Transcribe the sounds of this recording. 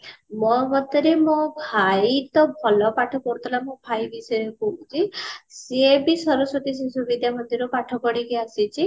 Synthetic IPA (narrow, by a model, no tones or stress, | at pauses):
mɔbɔt̪ɔɾemɔ̃bʱajit̪ɔbʱɔlɔpaʈʰɔpɔɽut̪ʰɔlamɔ̃bʱajbisɔjɔkuũt͡ʃʰisebisɔɾusɔt̪is̬isubid̪ʱjamɔnd̪iɾɔpaʈʰɔkɔɽikiasit͡ʃʰi